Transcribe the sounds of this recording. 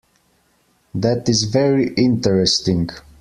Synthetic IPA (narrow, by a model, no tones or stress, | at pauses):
ðætɪzvɛɹiʔɪ̃ntəɹɛstɪ̃ŋɡ